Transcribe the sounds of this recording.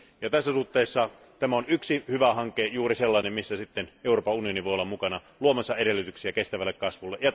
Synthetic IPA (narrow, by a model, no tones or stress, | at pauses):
jɑt̪æsːæsuht̪ːeːsːɑ | t̪æmæonyksihyʋæhɑŋkːˑejuːriselːɑˑinemmisːæsit̪ːeneˑuroːpɑunioniʋojolːɑmukɑnɑ | luomɑsːɑʔeɾelːyt̪yksiækest̪æʋælːekkɑsʋulːeʔjɑ